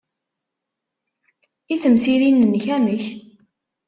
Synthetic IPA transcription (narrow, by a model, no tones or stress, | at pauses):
iθəmsiɾinənçæməç